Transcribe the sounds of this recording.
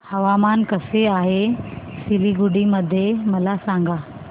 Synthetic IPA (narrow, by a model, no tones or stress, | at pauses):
hɐʋamankəseaːɦesiliɡuɽiməd̪ʱjemɐlasãŋɡʱa